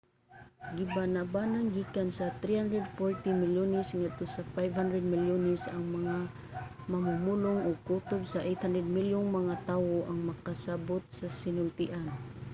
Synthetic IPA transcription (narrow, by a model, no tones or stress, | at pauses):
ɡɪbanabanaŋɡiːkansɐt̪ɾihand̪ɾɛd̪foɹt̪imɪljonɛsŋɛd̪̚t̪osafajvhand̪ɾɛd̪̚mɪljonɛsɐŋmɐŋa | mɐmʊmulʊŋoɡ̚kut̪obsaʔejt̪hand̪ɾɛd̪̚miljʊŋmɐŋat̪aːwoʔaŋmɐkasabot̪̚sasɪnʊlt̪ɪʔan